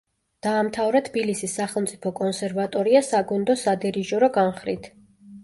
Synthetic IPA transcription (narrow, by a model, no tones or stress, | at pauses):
d̪̥aːmt̪ʰavɾat̪ʰbilisisːaχɛlˠmt̪sʼipʰɔkʼɔnsɛɾvat̪ʼɔɾiasaɡund̪ɔsad̪ɛɾiʒɔɾɔɡanχɾit̪ʰ